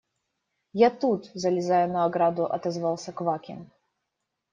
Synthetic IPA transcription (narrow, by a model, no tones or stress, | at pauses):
jat̪ut̪zɐlʲɪzajʊnɐːɡɾad̪ʊʔɐ̰t̪ɛzvɑlˠsʲɐkvakʲɪ̰n